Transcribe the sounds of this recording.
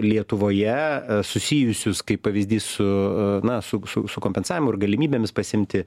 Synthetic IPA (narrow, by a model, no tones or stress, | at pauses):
lʲiɛt̪ʊʋoːjɛsʊsʲiːjʊsʲʊskɐɪppɐʋʲizʲd̪ʲiːssʊnɐsʊsʊsʊkomʲpʲɛnsɑːʋʲɪmʊɪɾɡɐlʲɪmʲiːbʲemʲɪspɐsʲɪmʲt̪ʲɪ